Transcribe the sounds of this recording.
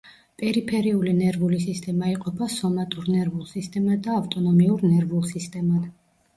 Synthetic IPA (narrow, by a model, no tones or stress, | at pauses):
pʼɛɾipʰɛɾiulinɛɾvulisist̪ʼɛmaiqʼɔpʰasɔmat̪ʼuɾnɛɾvulˠsist̪ʼɛmad̪aːft̪ʼɔnɔmiuɾnɛɾvulˠsist̪ʼɛma